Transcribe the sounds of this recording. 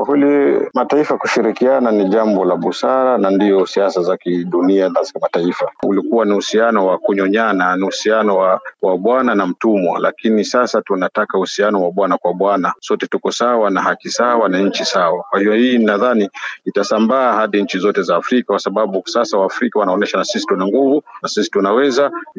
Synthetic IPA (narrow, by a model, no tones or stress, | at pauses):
kwakwɛlimataifakuʃiɾikiananiʄambɔlaɓusaɾanandiɔsiasazakiɗuniaazakimataifaṵlikuwanihusianɔwakuɲɔɲananiusianɔwawaɓwananam̩tumwa̰lʔa̰kinisasatunatakahusianɔwaɓwanakwaɓwanasɔtɛtukɔsawanaɦakisawanaɲ̩t͡ʃisawakwahijɔhiːnnaðaniitasambaːhaɗiɲ̩t͡ʃizɔtɛzaːfɾikakwasaɓaɓusasawaːfɾikawanaɔnɛʃanasisi̥tunaŋɡuvunasisi̥tunawɛza